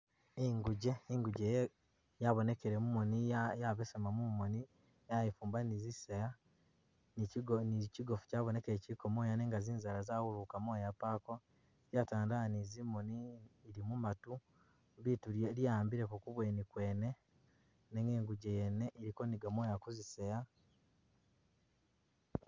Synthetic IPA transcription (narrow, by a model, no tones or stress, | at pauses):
iŋɡuɟeiŋɡuɟeje | jaβo̞ne̞keɾemumonijaβesemamumoni | jajefuːmbaniziseja | niniciɡofu̥caːβone̞keeciɾikomoːjaneŋɡaziːnzaɾazawuɾukamwoːjapako | ɾjataːndanizimoniːɾimumatu | mβituɾeljaːmbiɾekukuβwe̞ːnikweːne̞ | neŋɡeːŋɡuɟejeneʔiɾiko̞niɡamwoːjakuziseja